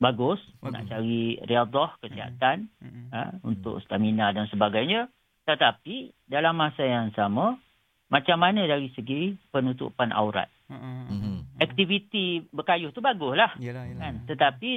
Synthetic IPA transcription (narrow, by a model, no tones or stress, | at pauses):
baɡʊsna̰ʔt͡ʃaɾiriad̪ɔhkəsiɦa̰t̪anə̰ṵnt̪ʊ̰ʔst̪aminadansəbaɡajɲə | t̪ət̪api | dalamːasajaŋsamə̃ | mat͡ʃamːanədaɾisəɡipənut̪ṵpanʔa̰wɾa̰t̪̚ | ɛk̚t̪ivit̪ibəkajʊht̪ubaɡʊslahkant̪ət̪api